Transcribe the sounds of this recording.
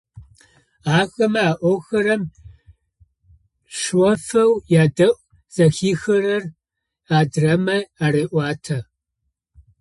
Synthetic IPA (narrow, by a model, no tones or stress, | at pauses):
aːɣɐmɐaːʔʷɔwxɐɾɐm | ʂwɐfɐwjaːdɐʔʷʼ | z̥ɐxiːxɐɾɐr | aːdrɐmɐaːɾeːʔʷɑːtʰɐ